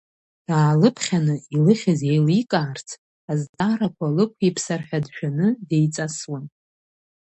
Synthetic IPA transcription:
d̥aːlɨpʰχʲanɨilɨχʲaze̞jlikʼaːrt͡sʰ | aztʼaɾakʷʰalɨkʷʰipʰsarħᶣadʃᶣanɨde̞jt͡sʼaswan

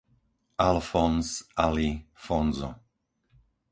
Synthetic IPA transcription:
ʔalfɔnsʔalifɔnzɔ̰

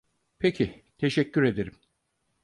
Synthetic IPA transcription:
pʰecʰi | t̪ʰe̞ʃɛcʰːyɾe̞d̪e̞ɾim

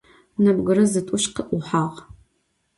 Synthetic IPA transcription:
nɐbɡɨɾɐzɨtʼʊɕqəʔʷʊħaːʁ

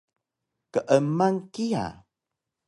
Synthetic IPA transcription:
kəʔəmaŋkia̰

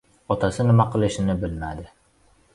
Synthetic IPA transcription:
ɒt̪ʰasɪnɪmaqʰɨlˠɪʃɪnɪbɪlmad̪ɪ

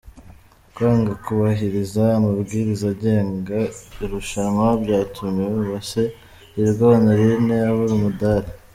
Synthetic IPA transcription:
kwaːŋɡakuβaɦiɾizaːmabɡiːɾizaɟe̞ːŋɡaiɾuʃanmwabɟaːtumeβase | iɾɡaanaɾineaβuɾimudaɾe

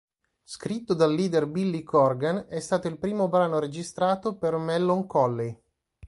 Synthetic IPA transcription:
skɾit̪ːod̪alːiːd̪erbilːikʰɔrɡanɛst̪aːt̪oilpɾiːmobɾaːnoɾed͡ʒist̪ɾaːt̪opermɛlːoŋkɔlːe

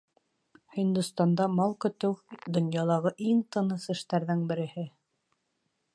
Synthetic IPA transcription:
hind̪ŭst̪ɑnd̪ɑmɑlˠkɵ̆t̪ɘwd̪ŏnjɑlˠɑʁɤʔiŋt̪ɤ̆nɤsɘ̆ʃt̪æɾðɘŋbɘ̆ɾɘ̆hɘ

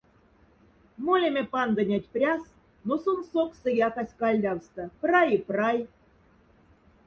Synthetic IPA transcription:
molʲemʲepɑnd̪ɤ̆nʲɑtʲprʲɑs | nosonsoksə̆jɑkɑsʲkɑlʲd̪ʲɑwst̪ɤ̆prɑjiprɑj

